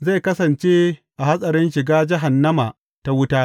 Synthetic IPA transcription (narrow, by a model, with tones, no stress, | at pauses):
za˦˨jkɐ˦sɐ˨nt͡ʃeː˦ʔa˨ɦa˦sʼɐ˨ɾɪ˦nʃɪ˨ɡaː˦d͡ʒɪ˦ɦa˨nːɐ˦ma˨ | ta˦wʊ˦taː˦